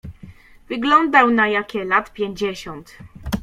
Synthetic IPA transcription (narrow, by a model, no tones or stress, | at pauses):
vɘɡlɔnd̪awnajakʲɛlat̪pʲjɛɲd͡ʑɛɕɔnt̪